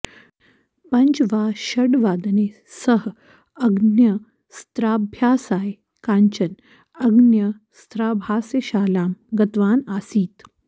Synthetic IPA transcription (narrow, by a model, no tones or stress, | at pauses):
pɐɲt͡ʃʋaːɕɐɽʋaːd̪neː | səɦ | ɐɡnjɐ | st̪ɾaːbʱjaːsaːj | kaːɲt͡ɕɐn | ɐɡnjɐ | st̪ɾaːbʱaːsjeɕaːlaːmɡɐt̪ʋaːnaːsiːt̪